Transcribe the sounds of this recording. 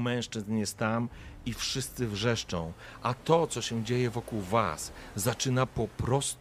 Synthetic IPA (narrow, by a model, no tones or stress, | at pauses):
mɛ̃w̃ʂt͡ʂɘznjɛst̪amifʂɘst̪sɘvʐɛʂt͡ʂɔ̰̃w̃ | ʔat̪ɔt̪sɔɕɛ̃d͡ʑejɛvɔkuwva̰szat͡ʂɘnapɔpɾɔst̪